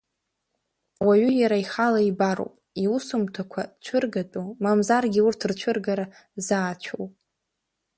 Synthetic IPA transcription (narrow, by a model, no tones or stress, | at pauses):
waɥʏjaɾaiχalaibaɾo̰wpʼiusumtʰakʷʰat͡ʃʷʰɨrɡatʼomamzarɡʲiurtʰrt͡ʃʷʰɨrɡaɾa | zaːt͡ʃʷʰo̰wpʼ